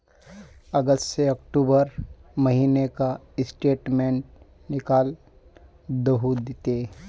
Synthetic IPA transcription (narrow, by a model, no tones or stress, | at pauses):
əɡəst̪seɐkʈuːbəɾmɐɦiːneka | ɪsʈeːʈmẽːɳʈ̚ | nɪkaːl | d̪əɦud̪t̪e